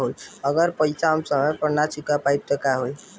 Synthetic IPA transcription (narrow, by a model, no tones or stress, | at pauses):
ɦojʌɡəɾpəjsamsəmepəɾnasikapajb̚t̪əkaɦoj